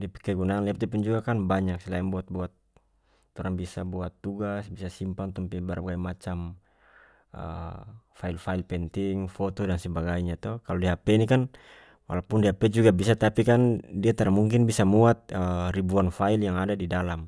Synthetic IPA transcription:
diapi̥kɛɡunakːanliapt̚diapund͡ʒuɡakanbaɲak̚sɛlaɛŋbuat̪̚buat̪̚ː | ɔɾaŋbisabuat̪ːuɡasbisasimpaŋt̪umpɛbaɾbaɡaimat͡ʃam | ə̰failfailpɛnt̪iŋfɔt̪ɔdansɛbaɡaiɲat̪ɔkalɔdiaɦapɛnikan | wa̰lapundiɦapɛd͡ʒuɡabisat̪apikandiat̪aɾamuŋk̬inbisamuat̪̚əribuanfailjaŋadadidalam

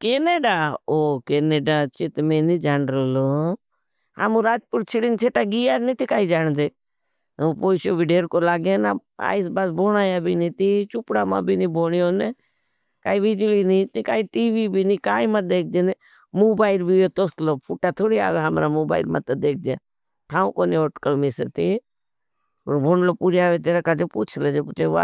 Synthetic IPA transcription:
keːneːɖaːoːkeːneːɖaːt͡ʃɪt̪mẽːnid͡ʒaːɳɾoːloː | ha̰mũːɾaːd͡ʒpʊɾt͡ʃʰɪɽint͡ʃʰeːʈaɡiːjaːnĩt̪ikaːiːd͡ʒaːɳ̃d̪eː | opoːisoːbʱiɖeːɾkolaːɡẽːna̰ːa̰ːisbaːsboːnaːjaːbʱiːnĩːt̪it͡ʃʊpɽaːma̰ːbinĩːboːɽjoːne | kaːiʋɪd͡ʒliːnĩt̪ikaːiʈiːʋiːbiːnĩːkaːimad̪eːk̚ʰd͡ʒ̪ene | moːbaːɪlbʱiot̪oːst̪loːpʰʊʈaːt̪ʰoːɽia̰ːɡɦəmɾamoːba̰ːɪlma̰t̪əd̪eːk̚ʰd͡ʒḛː | ʈʰaːũkoːnioːʈkəlmisəɾt̪i | o̰ːɾbʱoːɳloːpuːɾjaːʋet̪eːɾakad͡ʒepuːt͡ʃʰleːd͡ʒeput͡ʃeʋa̰

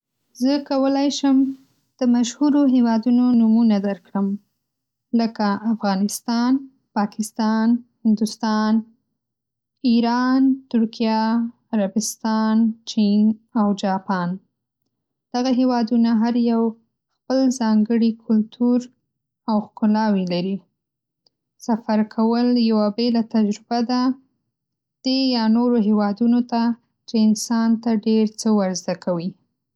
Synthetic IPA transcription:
zəkawəlajʃəm | d̪̥əmaʃhuɾoɦewɑd̪unonumunad̪əɾkɽəm | ləkaʔːfɣɑnɪst̪ɑn | pɑkɪst̪ɑnhɪnd̪ʊst̪ɑn | iɾɑnt̪ʊɾkijɑː | ɾabɪst̪ɑnt͡ʃinawd͡ʒɑpɑn | d̪̥aɣaɦewɑd̪unaɦaɾjaw | xpəlzɑŋɡəɽikʰʊlt̪ʰuɾ | awxkʊlɑwilaɾi | safaɾkʰawəljawabelat̪ad͡ʒɾɪbad̪a | d̪̥ejɑnoɾoɦewɑd̪unot̪a | t͡ʃeɪnsɑnt̪aɖeɾt͡səwaɾzd̪akʰawi

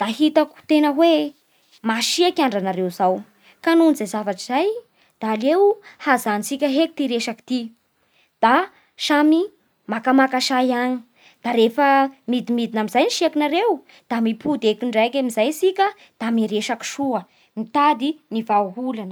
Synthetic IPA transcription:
d̪̥aɦit̪aku̥t̪enəwe | maʃiekʲaɳɖ͡ʐanaɾewzaw | kanunzejzavaʈ͡ʂizaj | d̪̥aːlewhazanit͡sikʲəɦeki̥t̪iɾeʃaki̥t̪i | d̪̥a | ʃami | makamakaʃajaɲi | d̪̥aɾefəmid̪imid̪inamizajniʃiakinaɾew | d̪̥amipud̪ekiɳɖ͡ʐajkʲamizajsikʲə | d̪̥amiɾeʃaki̥ʃuə | mit̪ad̪inivauɦulanə

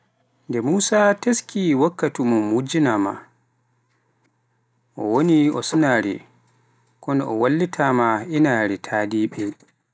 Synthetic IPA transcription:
ndɛmuːsateskʰiwakːatumɔmud͡ʒinama̰ | ʔɔ̰woniɔsunaɾɛ̰ | kɔnɔʔɔwalːitʰamainaɾɛtʰaːdiːɓɛ

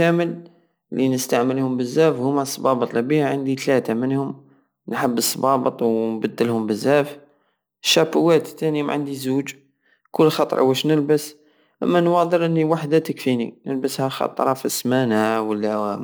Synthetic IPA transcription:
æməl | linəst̪aʕməlhʊmbəzːæfhʊmasˤːbɑbət̪ˤlæbihʕənd̪it̪læt̪amənhʊm | nħəbːəsˤːbɑbət̪ˤwnbəd̪ːəlhʊmbəzːæf | ʃːæbʊwːæt̪ːænima̰ʕənd̪izud͡ʒ | kʊlːxɑt̪ˤɾˤʔwæʃnəlbəs | ʔə̰mːænwɑd̪ˤəɾʔənːiwaħd̪at̪əkfinḭnəlbəshæxɑ̰t̪ˤɾˤɑfəsmænawəlːæ

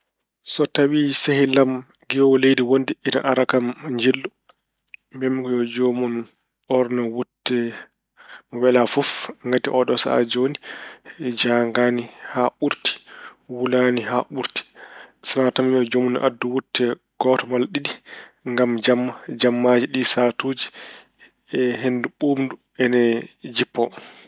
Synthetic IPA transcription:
sɔtawisehilam | ɡiwlejdiwondiʔina̰ʔaɾakamɲd͡ʒilːu | mbɛmkɔjɔd͡ʒomun | ɔɾnawutːɛ | wɛlafɔfŋɡatiʔɔɗɔsa̰d͡ʒoni | d͡ʒaŋɡanihaɓuɾti̥wulaniɦaʔuɾti̥sanatamiɔd͡ʒomun̰ʔadːuwutʰːɛ | ɡ̥ɔtɔmalɗiɗiŋɡamd͡ʒamːad͡ʒamːad͡ʒiɗisatoːd͡ʒi | ɛɦenduɓuːmdu | ɛnɛd͡ʒipːɔ

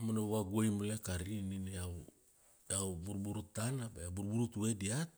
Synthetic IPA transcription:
manaaɡuajmolekaɾinineaw | dawbuɾbuɾutanabajabuɾbuɾutue̞diat̚

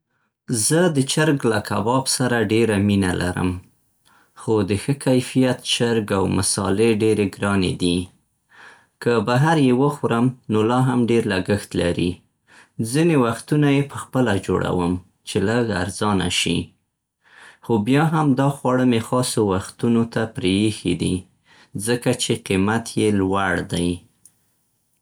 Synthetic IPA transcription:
zəd̪ət͡ʃaɾɡlakʰabɑbsaɾaɖeɾaminalʔa̰ɾə̰m | xod̪əxəkajfijat̪t͡ʃaɾɡawmasɑ̰leɖeɾeɡɾɑnḛd̪i | kəbaɦaɾjewəxɾəmnolɑɦamɖeɾlaɡəxt̪laɾḭ | zinewaxt̪unajepəxpəlad͡ʒo̰ɽa̰wəm | t͡ʃeləɡa̰ɾzɑna̰ʃḭ | xobjɑɦamd̪ɑxwɑɽəmexɑsowaxt̪unot̪apɾejexḭd̪i | zəkat͡ʃeqimat̪ʰjelwaɽd̪aj

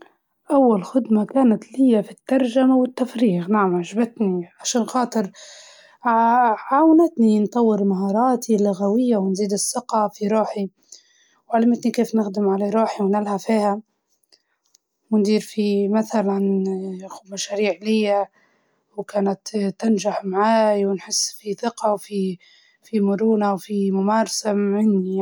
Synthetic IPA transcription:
ʔawːalxʊd̪makaːnat̪lɪjːafit̪ːɑɾˤʒamawɪt̪ːafɾiːxnaʕamʕaʒabat̪niʕaʃaːnxɑːt̪ˤɨɾ | ʕawnɪt̪nint̪ˤɑwːɪɾmaɦɑːɾˤɑːt̪ʰilʊɣawɪjːawnziːd̪ɪsˤːɪqɑfiɾˤuːħi | wʕalamɪt̪nikeːfnɪxd̪ɪmʕalaɾˤuːħiwnɪlhafiːha | wnd̪iːɾfimaθalanxub̪maʃaːɾiːʕlɪjːa | wkaːnat̪t̪ːanʒaħmaʕaːjwnħɪsːfiθɪqɑwfi | fimʊɾuːnawfimʊmaːɾˤɑsamɪnːi

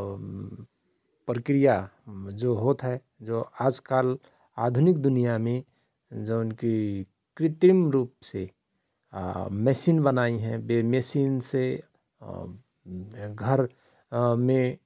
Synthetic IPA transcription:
pɾəkɾijad͡ʒoɦot̪ɦɛ | d͡ʒoaːd͡ʒkal | aːd̪ʱʊnɪkd̪ʊnijamẽ | d͡ʒonki | kɾɪt̪ɾimɾuːpse | mɛsinbənaːiɦɛ̃bemesinse | ɡʱəɾ | mẽ

